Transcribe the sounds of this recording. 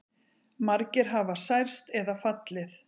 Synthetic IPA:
maɾcɪɾ̥ɦavasajɾ̥st̪ɛðafat̪lɪθ

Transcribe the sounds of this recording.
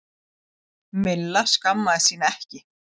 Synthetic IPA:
mɪlːaskamːaðɪsiːnaɛhcɪ

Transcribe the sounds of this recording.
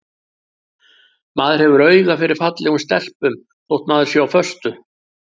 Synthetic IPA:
maːðɪɾhɛvʏɾœːɥðafɪɾɪɾ̥fat̪lɛɣʏmst̪ɛl̥pʏm | θowht̪maːðɪ̥sjowawfœst̪ʏ

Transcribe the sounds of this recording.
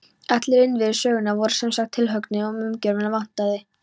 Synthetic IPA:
ɛt̪lɪɾɪnːvɪðsœːɣɪnavɔɾʏ̥sɛmsaxt̪ʰːɪlɦœknɪɔmʏmcœɾvɪnavan̥t̪aðɪ

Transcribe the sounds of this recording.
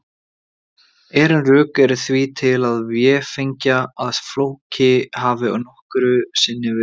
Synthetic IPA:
ɛːɾɪnrʏːkɛɾʏθvit̪ʰɪlaðvjɛfejɲcaaðflowcɪɦaːvɪɔ̰nɔhkɾʏsɪnːɪvɪ

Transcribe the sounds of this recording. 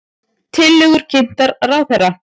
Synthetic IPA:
t̪ʰɪlːɪɣʏɾ̥cʰɪn̥t̪aɾrawθɛrːa

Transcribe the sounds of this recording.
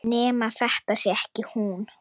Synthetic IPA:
nɛːmaθɛht̪asɪɛhcɪhun

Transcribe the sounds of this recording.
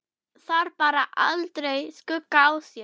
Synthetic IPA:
θaɾpaːɾaʔa̰lt̪ɾejskʏkːaawsjɛ

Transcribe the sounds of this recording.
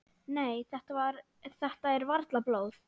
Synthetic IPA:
neːjθɛht̪avaɾ | θɛht̪aɛɾvaɾt̪laploːwð

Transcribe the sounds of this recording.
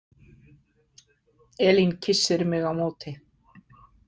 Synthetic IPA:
ɛːlincʰɪsːɪɾmɪɣawmoːt̪ɪ

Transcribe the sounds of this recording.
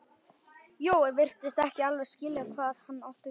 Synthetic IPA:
joːwɛvɪr̥t̪ɪst̪ɛhcɪalvɛɾ̥scɪːlɪɣakʰvaːðhanːawht̪ʏ

